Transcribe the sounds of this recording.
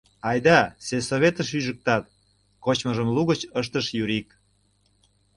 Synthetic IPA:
ɑjd̪ɑsesoβet̪əʃ̬yʒək̚t̪ɑt̪̚ | kot͡ɕməʒəmluɣət͡ɕəʃ̬t̪əʃjyɾik

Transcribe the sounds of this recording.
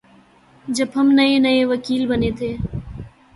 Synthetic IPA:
d͡ʒəbɦəmnəenəeʋəkiːlbənet̪ʰeː

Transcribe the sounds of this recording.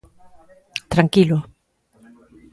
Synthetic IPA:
t̪ɾaŋkilo

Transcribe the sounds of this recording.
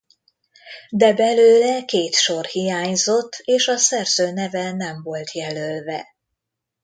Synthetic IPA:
d̪ɛbɛløːlɛkeːt̪ʃo̞rhijaːɲzo̞t̪ʰːeːʃɒsɛrz̥øːnɛvɛnɛɱvo̞lt̪jɛlølvɛ̰

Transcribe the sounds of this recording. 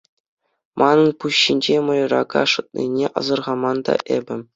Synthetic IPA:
mʔɑnɤ̆npuɕːinʲd͡ʑemɤ̆lʲɤ̆rɑɡɑʂɤ̆t̪̚nʲḭnʲeʔɤ̰zɤ̆rʁɑmɑnd̪ɑ̰ʔebʲɘ̆

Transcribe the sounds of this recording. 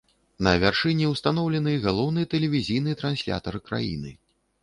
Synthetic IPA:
nɐvʲarʂɨnʲiwst̪anɔwlʲɛnɨɣalˠɔwnɨjɛt̪ɛlʲɛvʲizʲijnɨjɛt̪ɾansʲlʲa̰t̪ɐɾɨkɾa̰jḭnɨ

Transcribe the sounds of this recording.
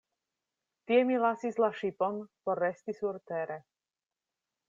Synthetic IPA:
t̪jɛmilasizlaʃipɔnpɔrɛst̪isuɾt̪ɛːɾɛ

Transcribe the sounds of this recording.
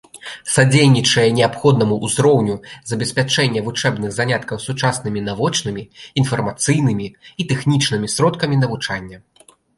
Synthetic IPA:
sad͡zʲejnʲit͡ʂɐjɛnʲɛapxɔd̪nɐmuʔːzɾɔwnʲuzɐbʲɛsʲpʲat͡ʂɛnʲːɐvut͡ʂɛbnɨɣzanʲat̪kɐwsut͡ʂasnɨmʲinavɔt͡ʂnɨmʲiːnfɐrmat̪sɨjnɨmʲiit̪ɛxnʲit͡ʂnɨmʲisɾɔt̪kɐmʲinɐvut͡ʂanʲːɐ

